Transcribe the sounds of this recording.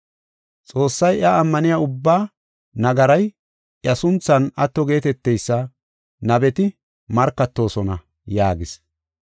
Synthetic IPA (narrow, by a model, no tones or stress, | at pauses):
t͡sʼo̞ːsːɐjʔɐːmːɐnɪjaʊbːaː | nɐɡɐɾɐj | ʔjɐsʊnt͡sːɐnɐt̪ːɔɡe̞ːt̪ɛt̪ːɛjsːɐ | nɐbɛt̪ɪ | mɐɾkːɐt̪ːo̞ːsɔnɐ | jaːɡɪs